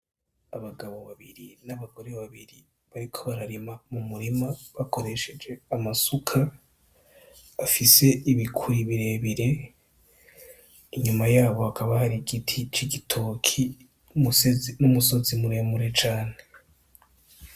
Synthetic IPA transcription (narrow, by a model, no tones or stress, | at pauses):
aβaɡaβo̞βaβiɾinaβaɡo̞ɾe̞βaβiɾi | βaɾikʰo̞βaɾaɾimamumuɾimaβako̞ɾe̞ʃe̞d͡ʒe̞amasukʰa | afise̞iβikʰuɾiβiɾe̞βiɾe̞ | iɲumajaːβo̞hakʰaβahaɾiɡitʰit͡ʃiɡitʰo̞ːkʰi | musnumuso̞zimuɾe̞muɾe̞t͡ʃaːne̞